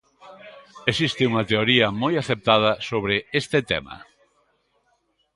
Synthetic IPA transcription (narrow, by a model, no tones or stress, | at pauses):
esist̪ɪuŋɐt̪eoɾiɐmojaθep̚t̪að̞ɐsoβɾɪest̪ɪt̪ɛ̰mɐ̰